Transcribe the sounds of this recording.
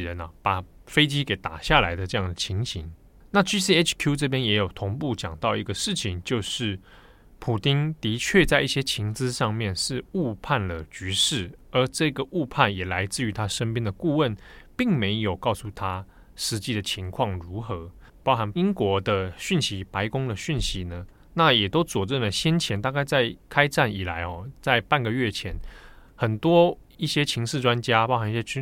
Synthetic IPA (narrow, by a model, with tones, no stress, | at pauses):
ɻə˧˦nɐ˨pa˨˩fe˥ɪt͡ɕi˥ke˨˩ɪt̪a˨˩ɕja˥˩la˧˥ɪd̪ə˧ʈ͡ʂɤ˥˧jɑ˥˩ŋd̪ə˩t͡ɕʰi˧˥ŋɕi˧˥ŋ | na˥˨t͡ɕy˥si˥e˥t͡ʃʰkʰju˥ʈ͡ʂɤ˥˧pjɛ˥njɛ˧˥jo˨˩ʊt̪ʰʊ˧˥ŋpu˥˩t͡ɕjɑ˨˩ŋt̪ɑ˥˩ʊi˧˥ɡə˧ʂɻ̩˥˩t͡ɕʰi˨˩ŋt͡ɕjo˥˧ʊʂɻ̩˥˩ | pʰu˨˩t̪i˥nt̪i˧˥t͡ɕʰɥɛ˥˧t͡sa˥˧ɪi˥˩ɕjɛ˥t͡ɕʰi˧˥ŋt͡sɹ̩˦ʂɑ˥˧ŋmjɛ˥˧nʂɻ̩˥˧u˥˧pʰa˥˩nlə˩t͡ɕy˧˥ʂɻ̩˥˩ə˞˨˧˥ʈ͡ʂɤ˥˩˧ɡə˩˨ʔu˥˧pʰa˥˩njɛ˨˩la˧˥ɪt͡sɹ̩˥˩y˧˥t̪ʰa˥ʂə˥npjɛ˥nd̪ə˨ku˥˧wə˥˩npi˥˩ŋme˧˥ɪjo˨˩ʊkɑ˥˧ʊsu˥˩t̪ʰa˦ | ʂɻ̩˧˥t͡ɕi˥˩d̪ə˩t͡ɕʰi˧˥ŋkʰwɑ˥˩ŋɻu˧˥xɤ˧˦ | pɑ˥˧ʊxa˧˥ni˥ŋkwɔ˧˥d̪ə˧ɕy˥˩nɕi˧˥pa˧˦ɪkʊ˥ŋd̪ə˨ɕi˥˩nɕi˧˦nə˧ | na˥˨jɛ˨˩t̪o˥ʊt͡swɔ˨˩t͡sə˥˩nlə˩ɕjɛ˥nt͡ɕʰjɛ˧˥nt̪a˥˧ka˥˧ɪt͡sa˥˩ɪkʰa˥ɪʈ͡ʂa˥˩ni˨˩la̰˧˦ɪxɔ˨t͡sa˥˧ɪpa˥˩nɡə˩ɥɛ˥˩t͡ɕʰjɛ˨˧˥nxə˨˩nt̪wɔ˦˥i˥˩ɕjɛ˥t͡ɕʰi˧˥ŋʂɻ̩˥˧ʈ͡ʂwa˦nt͡ɕja˦˥ɑ˥ʊxa˧˦ni˥˩ɕjɛ˥